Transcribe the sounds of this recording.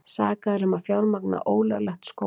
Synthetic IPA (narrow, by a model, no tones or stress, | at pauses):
saːkaðɾʏmafjaːwɾmakna̰ʔoːwlalɛxt̪sko